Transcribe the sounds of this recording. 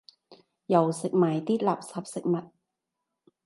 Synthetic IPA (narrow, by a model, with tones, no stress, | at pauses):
jɐ˨˩wsɪ˨k̚maː˨˩jt̪iː˥t̚laː˨˩p̚sɐ˨˥p̚sɪ˨k̚mɐ˨˩t̚